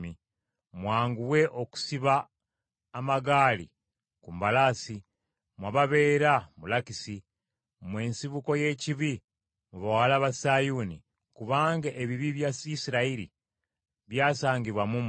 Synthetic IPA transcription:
i | mwaːŋɡuwe̞ʔo̞ku̥siβaː | maɡaːlḭ | kumbalasi | mwaβaβe̞ːɾamulakisi | mwe̞ːnsiβuko̞je̞ːciβi | muβawalaβasajunḭ | kuβaːŋɡaʔeβiβiβjasisiɾaiɾḭ | βjaːsaːɲɟiβwamum

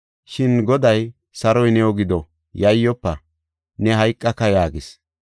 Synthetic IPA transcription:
ʃɪnɡɔd̪ɐj | sɐɾɔjnɛɔɡɪd̪ɔ | jɐjːɔpːɐ | nɛɦɐjkʼːɐkːɐjaːɡɪs

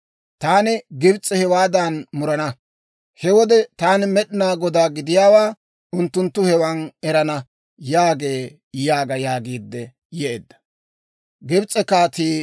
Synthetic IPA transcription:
t̪aːnɪɡɪbt͡sʼːɛhɛwaːd̪anmʊɾɐnɐ | hɛwɔd̪ɛt̪aːnɪmɛɗɪnaːɡɔd̪aːɡɪd̪ɪjaːwaː | ʊnt̪ːʊnt̪ːʊhɛwɐnɛɾɐnɐ | jaːɡe̞ː | jaːɡɐjaːɡiːd̪ːɛ | jɛʔḛːd̪ːɐ̥ | ɡɪbt͡sʼːɛkaːt̪iː

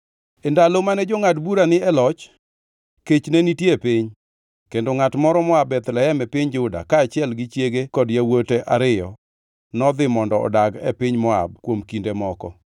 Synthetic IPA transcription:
endalomanɛd͡ʒoŋat̬buɾanɪɛlɔt͡ʃ | ket͡ʃnenitjepɪɲ | kendoŋatmɔɾɔmɔabɛt̪lɛɛmɛpɪɲd͡ʒʊda̰kaːt͡ʃɪɛlɡɪt͡ʃjeɡekɔdjawoteʔaɾɪjɔ | nɔd̪ɪmɔndɔɔ̰daɡɛ̰pɪɲmɔa̰b̚kwomkindemɔkɔ

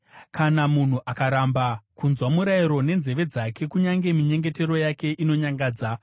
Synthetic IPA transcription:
kanamun̤uʔakaɾambakunzwamuɾaiɾo̞ne̞nze̞ʋe̞d͡zake̞kuɲaŋɡe̞miɲe̞ŋɡe̞te̞ro̞jake̞ʔino̞ɲaŋɡaːd͡za

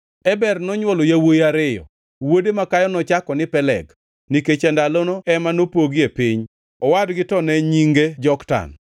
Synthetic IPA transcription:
ɛbɛrnɔɲwɔlojawojaɾɪjɔ̰ | wodemakajɔnɔt͡ʃakɔnɪpɛlɛ̰ɡ | niket͡ʃɛndalonoɛmanopoɡjepɪɲ | ɔwadɡɪtɔnɛɲiŋɡed͡ʒɔkta̰n

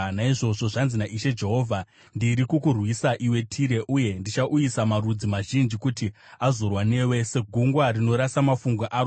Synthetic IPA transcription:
naiʐo̞ʐo̞ʐanzinaʔiʃe̞d͡ʒe̞ɦo̞ːvʱa | ndiɾikukurwisaʔiwe̞tʰiɾe̞ʔuje̞ndit͡ʃaʔujisamaɾud͡zimaʒind͡ʒikuti | azorwane̞we̞se̞ɡʱuŋɡwarino̞ɾasamafuŋɡwaʔaɾ

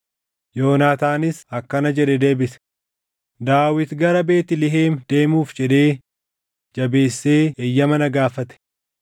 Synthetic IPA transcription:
joːnaːt̪aːnɪsɐkːɐnɐd͡ʒɛᶑɛd̪e̞ːbɪsɛ̥ | d̪aːwɪt̪ɡɐɾɐbe̞ːt̪ɪlɪɦeːmd̪̥e̞ːmuːfd͡ʒɛd̪e̞ː | d͡ʒɐbe̞ːsːeːɛjːɐmɐnɐɡaːfɐt̪ɛ̥

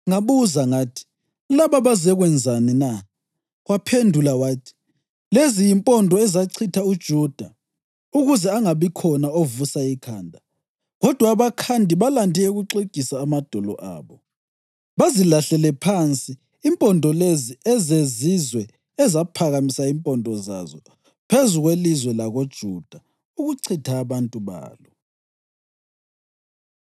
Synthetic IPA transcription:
ŋaβuzaŋaːtʰi̥ | laβaβazɛɣwɛnd͡zʱanɛna | ɣwapʰendʱulawaːtʰi̥ | lezijimpʼɔndʱɔɛzaǀʰitʰaud̥ʒ̥ʱud̥ʱa | uɣuzɛaŋaβikʰɔnaovusaikʰaːndʱa | ɣɔd̥ʱwaβakʰandʱiβalandʱiɛɣuǀeɡ̥ʱisaːmad̥ʱɔlɔ̰ʔa̰ːβɔ | βazilaɬɛlɛpʰant͡sʼiː | mpʼɔndʱɔleziɛzezizwɛ | ɛzapʰaɣamisaimpʼɔndʱɔza̰zɔ | pʰezuɣwelizwɛlaɣod̥ʒ̥ʱud̥ʱa | uɣuǀʰitʰaːβantʼuβa̰ːlɔ

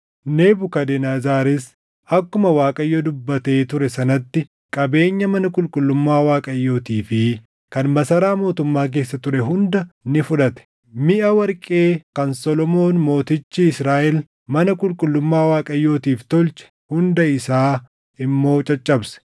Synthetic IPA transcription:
neːbʊkɐd̪ɛnaːzaːɾɛs | ɐkːʊmɐwaːkʼɐjːoːd̪ʊbːɐt̪e̞ːt̪ʊɾɛsɐnɐt̪ːɪ | kʼɐbe̞ːɲːɐmɐnɐkʼʊlkʼʊlːʊmːaːwaːkʼɐjːo̞ːt̪iːfɪ | kɐnmɐsɐɾaːmo̞ːt̪ʊmːaːk̬e̞ːsːɐt̪ʊɾɛɦʊnd̪ɐnɪfʊᶑɐt̪ɛ̥ | mɪʔɐwɐɾkʼe̞ːkɐnsɔlɔmo̞ːnmo̞ːt̪ɪt͡ʃːiɪsɾaːʔɛl | mɐnɐkʼʊlkʼʊlːʊmːaːwaːkʼɐjːo̞ːt̪iːft̪ɔlt͡ʃɛ̥ | hʊnd̪ɐɪsaː | ɪmːo̞ːt͡ʃʼɐt͡ʃʼːɐbsɛ̥

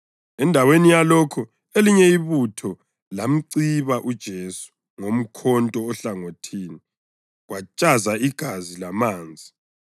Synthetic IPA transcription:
ɛndʱawenijalɔkʰɔ | eliɲɛiβutʰɔ | lam̩ǀiβaʔud̥ʒ̥ʱesu̥ | ŋom̩kʰɔntʼɔːɬaŋotʰiːni | ɣwat͡ʃʼazaiɡ̥ʱazilamaːnd͡zʱi

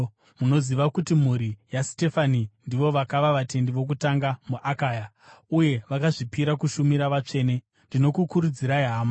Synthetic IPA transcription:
muno̞ziʋakutim̤uɾijasi̥te̞fanindiʋo̞ʋakaʋaʋate̞ndiʋo̞k̬utaŋɡamuʔakaːja | uje̞ʋakaʐipiɾakuʃumiɾaʋat͡ʂe̞ːne̞ | ndino̞kukuɾud͡ziɾaiɦaːma

